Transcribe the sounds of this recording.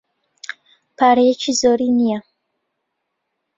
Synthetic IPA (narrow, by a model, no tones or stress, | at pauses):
pʰaːɾɐjɛt͡ʃʰizoːɾiːnija